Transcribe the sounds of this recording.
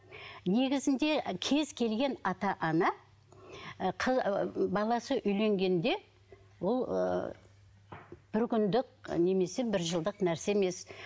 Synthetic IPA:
ne̞ɡʲɪzɪnd̪e̞kʲʰe̞zkʲʰe̞lɡʲe̞nɑt̪ɑʔɑnɑ | qʰəbɑlˠɑsəʔʏjle̞ŋɡʲe̞nd̪e̞ | wo̞l̰ˠ | b̥ɪɾkʲʰʏnd̪ɪk̚ne̞me̞se̞bɪɾʒəlˠd̪əqnæɾseme̞s

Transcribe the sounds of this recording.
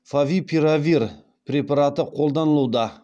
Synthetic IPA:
favʲipʰʲiɾavʲiɾ | pɾʲepaɾat̪əqʰolˠd̪anəlˠuwd̪a

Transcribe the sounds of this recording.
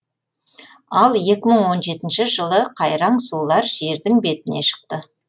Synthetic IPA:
ɑlˠje̞kʲɪməɴwo̞nʒe̞t̪ɪnʃɪʒəlˠəqʰɑjɾɑɴsulˠɑɾʒe̞ɾd̪ɪŋbe̞t̪ɪne̞ʃə̥q̚t̪ə

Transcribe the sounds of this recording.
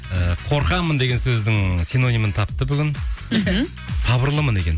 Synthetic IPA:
əqʰo̞ɾqɑmənd̪e̞ɡʲe̞nsɵzd̪ɪŋsino̞nimənt̪ʰɑp̚t̪əbʏɡʲɪn | sɑβəɾlˠəməne̞kʲen

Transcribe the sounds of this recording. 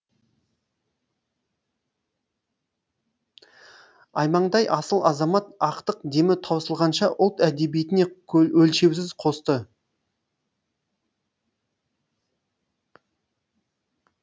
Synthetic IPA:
ɑjmɑɴd̪ɑjʔɑsəlˠɑzɑmɑt̪ɑqt̪əq̚d̪e̞mɪt̪ʰɑwsəlˠʁɑnʃɑʔʊlˠt̪æd̪e̞bijet̪ɪneɵlʃe̞ws̬ɪzqʰo̞st̪ə

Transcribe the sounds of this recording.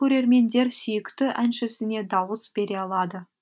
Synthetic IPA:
ɵɾe̞ɾme̞nd̪e̞ɾsʏjɪkt̪ɪʔænʃɪsɪne̞d̪ɑwəsbe̞ɾe̞ɑlˠɑd̪ə

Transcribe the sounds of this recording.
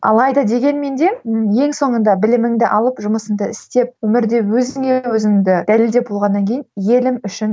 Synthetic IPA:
ʔɑ̰lˠɑjd̪ɑd̪e̞ɡʲe̞nme̞nd̪e̞je̞ŋso̞ɴənd̪ɑbɪlɪmɪŋd̪ɪʔɑlˠəpʒʊməsəŋd̪əɪst̪e̞p̚wɵmɪɾd̪e̞wɵzɪŋewɵzɪŋɪd̪ɪd̪̥æleld̪e̞bolˠʁɑnːɑŋkʲʰejnje̞lɪmʏʃɪn

